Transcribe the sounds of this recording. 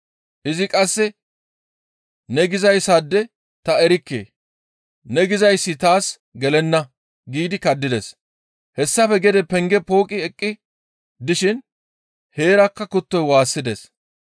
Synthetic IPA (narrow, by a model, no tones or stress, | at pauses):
ʔɪzɪkʼɐsːɛ | nɛɡɪzɐjsɐd̪ːɛ | t̪ɐɛɾɪkːḛː | nɛɡɪzɐjsːɪt̪aːs | ɡɛlɛnːɐ | ɡiːd̪ɪkɐd̪ːɪd̪ɛs | hɛsːɐfɛɡɛd̪ɛpɛŋɡɛpo̞ːkʼɪɛkʼːɪ | d̪ɪʃɪn | he̞ːɾɐkːɐkʊt̪ːɔjwaːsːɪd̪ɛs